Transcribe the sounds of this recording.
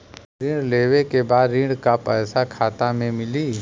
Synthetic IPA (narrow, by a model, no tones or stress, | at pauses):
ɾɪ̃ɖleːʋekebaːd̪ɾɪ̃ɳɖkapəːsakʰaːt̪amẽmɪliː